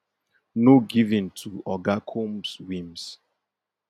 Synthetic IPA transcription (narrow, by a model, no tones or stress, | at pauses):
noɡivĩntʰuɔɡakʰomswĩms